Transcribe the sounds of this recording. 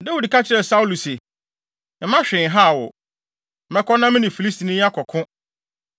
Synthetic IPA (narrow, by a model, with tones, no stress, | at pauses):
dɛ˦wu˨dkʰa˦t͡ɕʰɪ˦ɾɛ˨sa˦u˦lu˨sɪ˨ | m̩˨˦mã˦ɕᶣɪ̃˨ɦa˦˨wɔ̰˨ | mɛ̃˦kʰɔ˦nã˦mɪ̃˦nɪ̃˨fi˨li˦sti˨nĩ˦a˦kʰɔ˨kʰʊ̃˦